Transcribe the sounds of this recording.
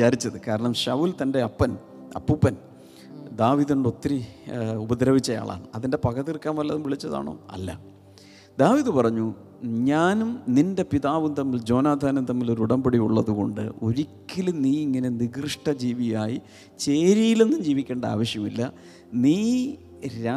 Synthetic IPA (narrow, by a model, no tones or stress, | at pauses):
ʋit͡ɕaːɾit͡ɕːɐðɨkaːɾɐɳɐmɕɐʋult̪ɐnde̞ɐpːɐn | ɐ̰pːupːɐn | d̪aːʋiðuɳɖo̞t̪ːiɾiubɐd̪ɾɐʋit͡ɕːɐja̰ːɭʔa̰ːɳɨɐðinde̞pɐkɐðirkːaːnʋɐlːɐðumʋiɭit͡ɕːɐða̰ːɳo̰ːɐ̰lːɐ̰ | d̪aːʋiðɨpɐrɐɲːu | ɲaːnumninde̞piðaːʋumt̪ɐmːild͡ʑo̞ːnaːd̪ʱaːnɐmt̪ɐmːilo̞ɾuuɽɐmbeɽiuɭːɐðuɣo̞ɳɖɨ̰o̞ɾikʲːilniːiŋːɐne̞niɡrɨʂʈɐd͡ʑiːʋijaːji | t͡ɕe̞ːɾijile̞nːumd͡ʑiːʋikʲːe̞ːɳɖɐa̰ːʋɐɕjɐmilːɐ | niː | ɾa